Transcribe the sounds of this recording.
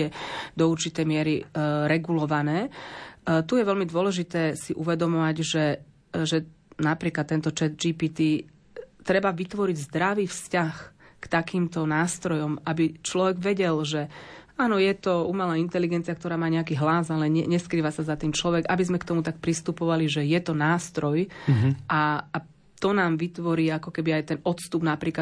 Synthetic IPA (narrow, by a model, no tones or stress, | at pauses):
ɛd̪ɔuɾt͡ʃit̪ɛjmɪɛɾiɾɛɡulɔʋanɛː | t̪ujɛʋɛlmid̪ʊɔlɛʒit̪ɛːsiʔuʋɛd̪ɔmɔʋaɟʒɛ | ʒɛ | napɾiːklat̪ːɛnt̪ɔt͡ʃɛt̪d͡ʒipiːt̪i | t̪ɾɛbaʋit̪ʋɔɾiɟzd̪ɾaʋiːfscaxkt̪akiːmt̪ɔnaːst̪ɾɔjɔmabit͡ʃlɔʋɛɡʋɛɟɛlʒɛaːnɔjɛt̪ɔumalaːint̪ɛliɡɛnt͡siakt̪ɔɾaːmaːɲɛakiːɦlazalɛɲɛɲɛskɾiːʋasazat̪iːmt͡ʃlɔʋɛɡabizmɛkt̪ɔmut̪ak̚pɾist̪upɔʋaliʒɛjɛt̪ɔnaːst̪ɾɔjʔaː | t̪ɔnaːmʋit̪ʋɔɾiːakɔkɛbiajt̪ɛnɔt̪st̪ubnapɾiːkla